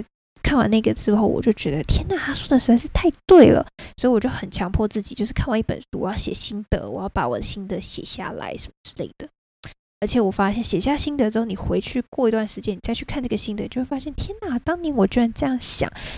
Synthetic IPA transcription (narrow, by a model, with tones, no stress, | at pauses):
kʰa˥˩nwa̰˨˥na˥˩ɡə˩ʈ͡ʂɻ̩˥xo˥˩ʊwɔ̰˨˩t͡ɕjo˥˩ʊt͡ɕɥɛ˧˥d̪ə˧t̪ʰjɛ˥nna˥˩t̪ʰa˥swɔ˥˩d̪ə˨˩ʂɻ̩˧˥a˥ʂɻ̩˥˩˧t̪ʰa˥˧ɪt̪we˥˩ɪlə̰˩swɔ˧˥i˧˩wɔ˨˩t͡ɕo˥˩ʊxə˨˩nt͡ɕʰjɑ˧˥ŋpʰwɔ˥˧t͡sɹ̩˥˩t͡ɕi˨˩t͡ɕjo˥˧ʂɻ̩˥kʰa˥˩˧wɑ˧˥ŋi˥˩pə̰˨˩nʂu˥˩wjɑ˥˩ʊɕjɛ̰˨˩ɕi˥nd̪ɤ̰˧˥wɔ̰˨˩jɑ˥˩ʊpa˧˥wɔ̰˨˩d̪ə˦ɕi˥nt̪ɤ˧˥ɕjɛ̰˨˩ɕja̰˥˩la̰˧˥ɪʂə˨˩mə˧ʈ͡ʂɻ̩˥le˥˩ɪd̪̥ə˩ | ə˞˧˥t͡ɕʰjɛ˨˩wɔ˨˩fa˥ɕjɛ˥˩nɕjɛ˨˩ɕja˥˩ɕi˥nd̪ə˧˥ʈ͡ʂɻ̩˧˥xo˥˩˨ni˨˩xwe˧˥ɪt͡ɕʰy˥˧kwɔ˥˩i˧˥t̪wa˥˩nʂɻ̩˧˥t͡ɕjɛ˥ni˨˩t͡sa˥˧ɪt͡ɕʰy˥˧kʰa˥˧nʈ͡ʂɤ˥˩ɡə˩ɕi˥nd̪ə˧˦t͡ɕo˥˧ʊxwfa˥ɕjɛ˥˩nt̪ʰjɛ˥nna˥˩t̪ɑ˥ŋni˧˥nwɔ˨˩t͡ɕə˧˩nʈ͡ʂɤ˥˧jɑ˥˩ŋɕjɑ̰˨˦ŋ